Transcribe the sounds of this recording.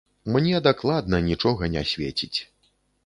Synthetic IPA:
mnʲɛd̪aklˠad̪nɐnʲit͡ʂɔɣɐnʲa̰sʲvʲḛt͡sʲit͡sʲ

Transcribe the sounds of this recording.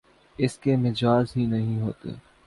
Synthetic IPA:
ɪskemɪd͡ʒaːzɦinɐɦĩɦo̰ːt̪ḛː

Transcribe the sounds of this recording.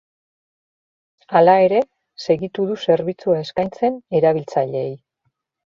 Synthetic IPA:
alae̞ɾe̞ | se̞ɣit̪uðuse̞ɾβit͡suae̞skajnt͡se̞ne̞ɾaβ̞ilt͡saʎe̞ːj

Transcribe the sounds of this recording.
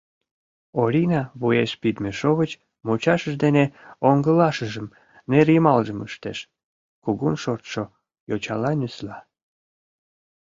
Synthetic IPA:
oɾʲinɑβujeʃpid̪meʃoβət͡ɕ | mot͡ɕɑʃəʒd̪eneoŋɡəlɑʃəʒəm | neɾjəmɑlʒəməʃt̪eʃ | kuɣunʃort̪ʃo | jot͡ɕɑlɑnyslɑ

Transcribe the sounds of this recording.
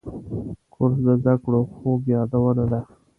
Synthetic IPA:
kʰʊɾsd̪əzd̪akɽoxoɡjɑd̪awənad̪a

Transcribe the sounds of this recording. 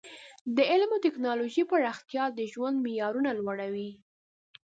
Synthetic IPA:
d̪əɪlmot̪ɪknɑloʒipəɾaxt̪jɑd̪əʒwand̪mijɑɾunalwaɽawi

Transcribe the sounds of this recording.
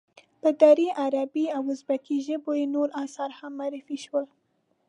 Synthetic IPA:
pəd̪aɾiʔaɾabiawʊzbak̪iʒəbojenoɾɑsɑɾhamːaɾɪfiʃwəl

